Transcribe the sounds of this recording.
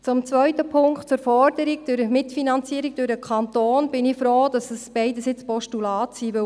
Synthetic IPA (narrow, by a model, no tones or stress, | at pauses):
t͡sʊmt͡sʋœʏtəpʰʊŋktt͡sʊːɾfɔɾd̥əɾiɡ̚d̥ʊɾəmɪtfinɑnt͡siːəɾiɡ̚d̥ʊɾəkʰχɑnt̪oːnb̥ɪnɪfɾoːd̥ɑsəsb̥ɛɪdəsɪt͡spɔʃtulɑːtsiːʋɪ